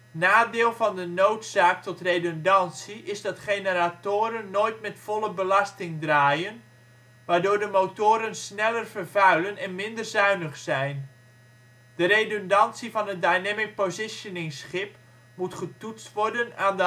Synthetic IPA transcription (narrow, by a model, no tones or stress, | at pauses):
naːdeːlˠvɑndənowtsaːk̚tɔtrejdondɑnsiʔɪzdɑtχejnəratoːɾənːoːjtmɛtfɔlˠəbəlastɪŋdraːjən | ʋaːrdoːɹdəmowtoːɾənsnɛlərvərvœɥlənɛnmɪndərzœɥnəχsɛjn | d̥əɾejdɔndɑnsivɑnɦət̚dajnɛmɪk̚pozɪsjonɪŋsχɪp | mutχətutt͡stʋɔrdənaːnd